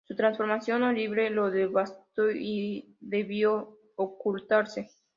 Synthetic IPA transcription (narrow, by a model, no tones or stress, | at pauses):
sut̪ɾansfo̞ɾmasjo̞noliβɾeloðeβast̪oi | ðeβjo | okult̪aɾse